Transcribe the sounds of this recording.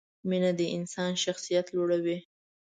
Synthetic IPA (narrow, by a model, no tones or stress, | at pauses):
minad̪əʔɪnsɑnʃaxsijat̪loɽawi